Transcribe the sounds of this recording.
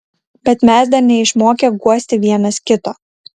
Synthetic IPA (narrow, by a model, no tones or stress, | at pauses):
bʲɛt̪mʲɛsd̪ɐɾnʲɛɪʃmoːkʲɛɡuɔsʲt̪ʲɪʋʲiɛnɐskʲɪt̪oː